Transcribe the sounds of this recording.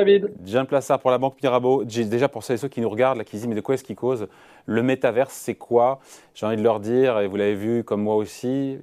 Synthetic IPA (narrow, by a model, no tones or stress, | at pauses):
vid̪dʒɛ̃plasaʁpuʁlabɑ̃k̚miʁaboʒid̪eʒapuʁsød̪esøkʲinuʁəɡaʁd̪lakʲid̪izimɛd̪əkwaɛsəkʲikoz | ləmet̪avɛʁsːɛkʰwa | ʒ̥eɑ̃vid̪əlœʁd̪iʁevulavevykɔmːwaosi